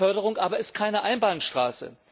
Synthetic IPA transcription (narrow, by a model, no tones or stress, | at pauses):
œɐɾəʁʊŋʔaːbɐɪst̚kʰaɪnəʔaɪnbaːnʃtʁ̥aːsə̰